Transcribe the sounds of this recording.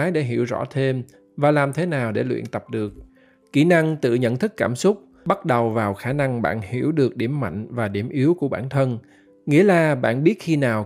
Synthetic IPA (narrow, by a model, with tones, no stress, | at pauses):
jɗe˧˩ɦḭ˧˩əwzɔ̰˧˥t̪ʰe˧m | vaː˨˩laː˨˩mt̪ʰe˨˦naː˨˩wɗe˧˩lwḭ˧˨ənt̪ə˨˩p̚ɗɨ˨˩ək̚ː | i˧˩na˧ŋt̪ɨ̰˧˨ɲə̰˧˨nt̪ʰɨ˦˥kːaː˧˩msʊ˦˥k͡p̚ | ɓa˦˥t̚ɗə˨˩wvaː˨˩wxaː˧˩na˧ŋɓa̰ː˧˨nhi˧˩əwɗɨ˨˩ək̚ɗi˧˩əmːa̰˧˨jŋ̟vaː˨˩ɗi˧˩əmʔi˨˦əwku˧˩əɓaː˧˩nt̪ʰə˧n | ŋḭ˧˥əlaː˨˩ɓa̰ː˧˨nɓi˦˥ət̚xi˧naː˨˩w